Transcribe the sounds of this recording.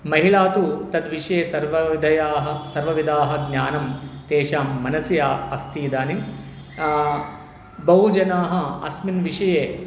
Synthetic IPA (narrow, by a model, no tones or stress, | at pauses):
mɐɦilaːt̪ut̪ɐd̪ʋiʂɐjeːsɐɾʋɐd̪ʱɐjaːɦɐsɐɾʋɐʋid̪ʱaːɦɐ̆ɡnʲjaːnɐmt̪eːʃaːmːɐnɐsjaːɐst̪iːd̪aːni | bɐɦud͡ʒɐnaːɦɐ̆ɐ̰sminʋiʂɐjeː